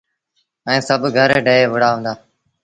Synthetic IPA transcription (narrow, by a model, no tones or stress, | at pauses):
ɛ̃ːsəbʱɡʱəɾɖəːeːʋʊɽaːɦõːnd̪aː